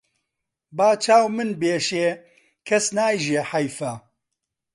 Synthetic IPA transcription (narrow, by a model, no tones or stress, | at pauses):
baːt͡ʃʰaːwmɨnbeːʃeː | kʰɐsnaːjʒeːħɐjfɐ